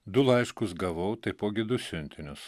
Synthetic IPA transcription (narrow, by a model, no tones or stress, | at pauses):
d̪ʊlˠɐɪʃkʊsɡɐʋɐʊt̪ɐɪpoːɡʲɪd̪ʊsʲʊnʲt̪ʲɪnʲʊs